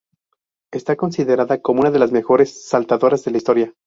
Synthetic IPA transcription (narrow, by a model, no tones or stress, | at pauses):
e̞st̪ako̞nsiðe̞ɾaðakomounaðe̞lazme̞xo̞ɾe̞sːalt̪aðo̞ɾazðe̞laist̪o̞ɾja